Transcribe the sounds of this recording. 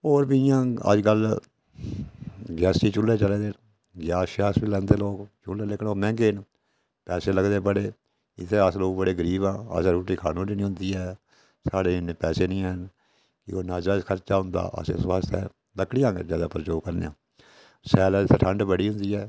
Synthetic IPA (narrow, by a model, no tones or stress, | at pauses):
oːɾbiɪjãːə̰d͡ʒkəl | ɡɛːsʈiːt͡ʃʊlːeːt͡ʃəleːd̪eː | ɡaːʃaːsbiːlɛ̃ːnd̪eːloːkt͡ʃʊlːeːlekʰnoːmɛ̃ːŋɡeːn | pɛːseːləɡd̪eːpəɽeː | ɪ̰t̪ʰːeːəsloːbəɽeːɡəɾiːbãːə̰sɾuːʈiːkʰaːnõːniːnĩɦʊ̃nd̪iːɛː | saːɖeːneːpɛːseːnĩːən | kɪoːnaːd͡ʒɾaːzkʰəɾt͡ʃaːɦʊ̃nd̪a̰ːʔə̰sḛswaːst̪ʰɛ̰ː | ləkːɽɪjãːɡḛzjaːd̪aːpəɾt͡ʃoːkəɾnḛã̰ː | sɛːlɛɪt̪ʰːeʈʰəɳɖbəɽiːɦʊ̃nd̪iːɛː